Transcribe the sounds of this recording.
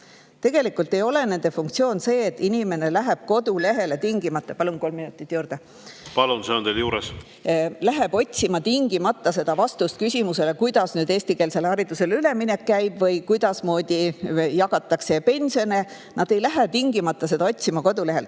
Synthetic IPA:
t̪e̞ɡ̥e̞likːˑult̪ːˑe̞jo̞le̞ne̞nd̪e̞fuŋk̚t̪sio̞ːnse̞ːt̪ːˑinʲime̞ne̞læɦeb̥ko̞d̪̥ule̞ɦe̞le̞t̪iŋɡ̥imɑt̪ːˑɑpɑlunko̞lmːinut̪ːˑit̪ːˑjuːɾd̪̥e | pɑlunseond̪̥eljuːɾes | læɦeb̥o̞tʲsimɑt̪iŋɡ̥imɑt̪ˑːɑse̞d̪̥ɑvɑst̪ust̪̚kysʲimuse̞le̞kujd̪̥ɑsnyːd̪̥eːsʲt̪ike̞ːlse̞lɑɾit̪use̞lyle̞minekːæjb̥vɤjkujd̪ɑsmo̞ːd̪̥ijɑɡ̥ɑt̪ːˑɑkse̞pe̞nsio̞ne | nɑd̪̥e̞jlæɦet̪iŋɡimɑt̪ːˑɑse̞d̪̥ɑo̞t̪ʲsimɑko̞d̪̥ule̞ɦe̞lt̪

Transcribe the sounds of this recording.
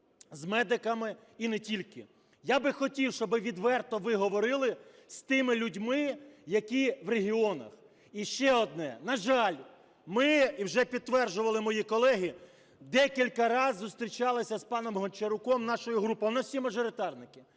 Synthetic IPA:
zmɛd̪ɪkɐmɪ | inɛtʲilʲkɪ | jabɪxɔtʲiwʃt͡ʃɔbɪʋʲid̪ʋɛrt̪ɔʋɪɦɔʋɔɾɪlˠɪst̪ɪmɪlʲudʲmɪjɐkʲiʋreɦʲiɔnɐ̰x | iʃt͡ʃɛɔd̪̚nɛnɐʒɑlʲ | mɪiwʒɛpʲid̪̚t̪ːʋɛrʒʊʋɐlˠɪmɔjikɔlˠɛɦʲi | d̪ɛkʲilʲkɐɾɑzːʊst̪ɾʲit͡ʃɑlˠɪsʲɐzpɑnɔmɦɔnʲt͡ʃeɾʊkɔmnɑʃɔjʊɦɾupɔjnɐwsʲimɐʒɔɾɪt̪ɑrnɪkɪ

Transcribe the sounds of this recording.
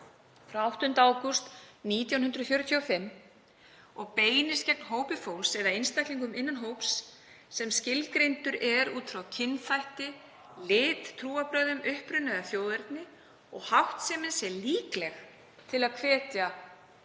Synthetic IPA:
fɾawawht̪ʏnt̪aaːwkust̪niːt̪jawnɦʏnd̪ɾʏfjœːɾʏt̪ʰjɔfɪmː | ɔɣpeːjnɪscɛk̚nɦoːwpɪfowlsɛɾðaɪnst̪ajhkliŋkʏmɪnːanɦowpsː | ɛmscɪlkɾejnt̪ʏɾɛɾuːt̪fɾawcʰɪnːθajht̪ɪ | lɪːt̪t̪ʰɾuːapɾœːðʏmʏhpɾʏnaðaθjoːwðɛɾt̪nɪ | ɔɣhawht̪sɛːmɪnsjɛliːklɛx | t̪ʰɪlaðkʰvɛːt̪ja

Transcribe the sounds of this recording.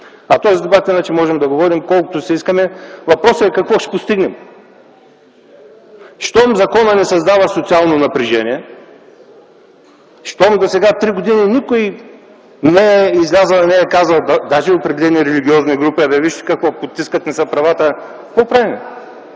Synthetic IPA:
ɐt̪ɔzid̪ɛbat̪inat͡ʃɛmɔʒɛmd̪ɐɡovɔɾimkɔlˠkʊt̪ʊsɛiskəmɛvɐpɾɔsəɛkɐkvɔʃɛ̥post̪iɡnɛm | ʃt̪ɔmzɐkɔnənɛsɐzd̪avəsot̪sialˠnonɐpɾiʒɛniɛ | ʃt̪ɔmd̪osɛɡat̪ɾiɡod̪ininikoj | nɛɛizlʲazəɐnɛɛkazəlˠd̪aʒɛopɾɛd̪ɛlɛniːɾɛliɡ̟ʲiɔzniɡɾupiɐd̪ɐviʃt̪ɛ̥kɐkvopot̪ːiskət̪nɛsəpɾɐvat̪ə | popɾani

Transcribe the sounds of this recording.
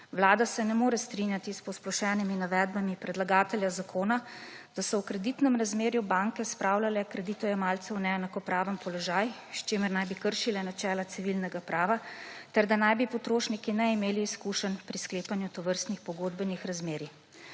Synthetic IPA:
wlaːd̪asɛnɛmoːɾɛst̪ɾinjat̪ispɔsplɔʃɛːniminaʋɛːd̪̚bamipɾɛd̪laɡaːt̪ɛljazakʰoːna | d̪̥asɔwkɾɛd̪it̪nɛmɾazmeːɾjubaŋkɛspɾaːwlalɛkɾɛd̪it̪ɔjɛmaːlt̪sɛwnɛɛnakɔpɾaːʋəmpɔlɔʒaːjʃt͡ʃeːməɾnajbikəɾʃilɛnat͡ʃɛːlat̪siʋilnɛɡapɾʔaːʋat̪ɛɾd̪anajbipɔt̪ɾoːʃnikinɛimeːliːskuːʃənpɾiskleːpanjut̪ɔʋəɾst̪nixpɔɡoːd̪bənixɾazmeːɾi

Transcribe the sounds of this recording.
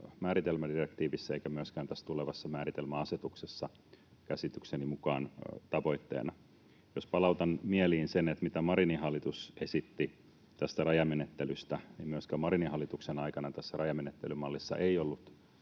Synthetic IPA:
mæːɾit̪elmædirekt̪iːʋisːæeikæmyøskæːnt̪æst̪uleʋɑsːɑmæːɾit̪elmæɑset̪uksesːɑ | kæsit̪yksenimukɑːnt̪ɑʋo̞it̪ːḛːnɑ | jospɑlɑut̪ɑnmieliːnsenet̪mit̪æmɑɾiniɦɑlːit̪usesit̪ːi | t̪æst̪ærɑjɑmenet̪ːelyst̪ænimmyøskæːmɑɾinihɑlːit̪uksenɑikɑnɑt̪æsːærɑjɑmenet̪ːelymɑlːisːɑ̰ʔeiolːut̪

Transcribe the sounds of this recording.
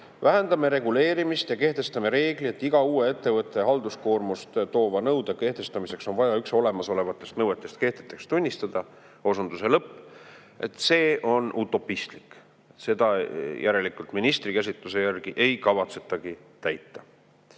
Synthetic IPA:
væɦe̞nd̪ɑme̞ɾe̞ɡ̥ule̞ːɾimist̪jɑke̞ht̪e̞st̪ɑme̞ɾe̞ːɡ̥lie̞t̪ːˑiɡ̥ɑuːee̞t̪ːe̞vɤt̪ːˑe̞ɦɑld̪̥usko̞ːrmust̪t̪o̞ːvɑnɤwd̪̥eke̞ht̪e̞st̪ɑmise̞kso̞nvɑjɑykso̞le̞mɑso̞le̞vɑt̪ːˑe̞st̪nɤwet̪ːˑe̞st̪̚ke̞ht̪et̪ːˑe̞kst̪unʲːist̪ɑd̪̥ɑ | o̞sund̪use̞lɤpːˑ | e̞̰t̪se̞ːo̞nut̪ːˑo̞pːist̪lik | se̞d̪̥ɑjʔæɾe̞likult̪minist̪ɾikæs̬ʲit̪ˑluse̞jærɡ̥iʔe̞jkɑvɑt̪se̞̥t̪ːˑɑɡ̥i | t̪æjt̪ːˑɑ

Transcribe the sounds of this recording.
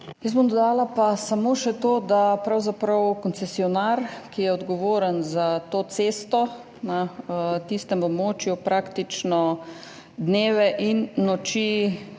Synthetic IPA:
jəsbomd̪ɔd̪aːlapasamoʃɛt̪oːd̪apɾawzapɾɐwkɔnt̪sɛsiɔnaɾkijɛɔd̪ɡɔʋoːɾənzat̪oːt̪seːst̪ɔ | nat̪ist̪ɛmɔbmoːt͡ʃjupɾaːkt̪it͡ʃnɔ | d̪neːʋɛʔinːɔt͡ʃi

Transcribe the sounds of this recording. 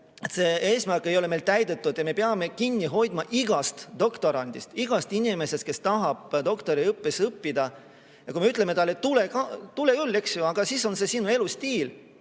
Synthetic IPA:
et̪se̞e̞ːsmærkːˑe̞jo̞le̞me̞jlt̪æjd̪̥e̞t̪ːˑud̪̥jɑme̞peɑme̞kinʲːiɦo̞jd̪̥mɑʔiɡ̥ɑst̪d̪̥o̞kt̪o̞ɾɑnʲd̪̥ist̪iɡ̥ɑst̪inime̞se̞st̪̚ke̞st̪ɑɦɑb̥d̪o̞kt̪o̞ɾiɤpːesɤpːid̪̥ɑ | jɑkuimeyt̪ˑle̞me̞t̪ɑlːet̪ulekɑt̪ulekylːe̞ksjuɑɡ̥ɑsiso̞nse̞sinue̞lust̪iːl

